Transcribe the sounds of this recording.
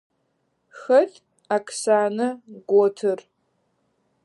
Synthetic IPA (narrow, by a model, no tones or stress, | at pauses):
xɐt | akʰsaːnɐɡʷɔtʰɨr